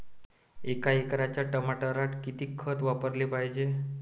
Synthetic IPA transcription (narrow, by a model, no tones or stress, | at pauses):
ekaekɾat͡ɕjaʈəmaʈəɾaʈkit̪iːkʰːət̪ʋapəɾlepajd͡ʑe